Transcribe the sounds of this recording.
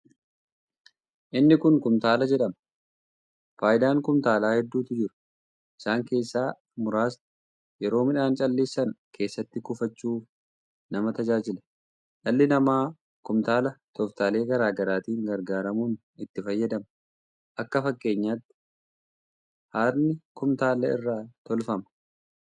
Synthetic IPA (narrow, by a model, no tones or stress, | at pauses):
ʔɪnːɪkʊŋkʊmt̪aːlɐd͡ʒɛᶑɐmɐ | faːjɪd̪aːŋkʊmt̪aːlaːhɛd̪ːuːt̪ɪd͡ʒɪɾʊ̥ | ʔɪ̥saːŋke̞ːsːaː | mʊɾaːs | jɛɾo̞ːmɪᶑaːnt͡ʃʼɐlːe̞ːsːɐnkʰe̞ːsːɐt̪ːɪkʊfɐt͡ʃːuːf | nɐmɐt̪ɐd͡ʒaːd͡ʒɪlɐ̥ | ᶑɐlːɪnɐmaː | kʊmt̪aːlɐt̪ʰɔft̪aːle̞ːɡɐɾaːɡɐɾaːt̪iːŋɡɐɾɡaːɾɐmuːn | ɪt̪ːɪfɐjːɐd̪ɐmɐ | ʔɐkːɐfɐkʼːe̞ːɲːaːt̪ːɪ̥ | haːɾnɪkʊmt̪aːlɐɪ̰rːaːt̪ɔlfɐmɐ̥